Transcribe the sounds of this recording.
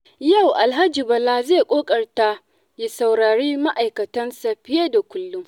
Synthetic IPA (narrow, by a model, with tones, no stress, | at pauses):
ja˦˨wʔa˨lɦa˦d͡ʒiː˨bɐ˨la˦zeː˦˨kʷʼoː˦kʼɐ˨rta˦ | je˨sa˨wɽaː˨ɽeː˦ma˦ʔa˨jkɐ˨tɐ˦nsa˨ɸɪ˦jeː˦da˨kʷʊ˦lːʊ˦ŋ